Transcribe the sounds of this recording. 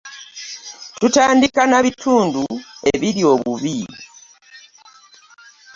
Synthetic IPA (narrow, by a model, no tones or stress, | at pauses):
tutaːndikanaβitʰuːndueβiɾjo̞ːβuβiːɾi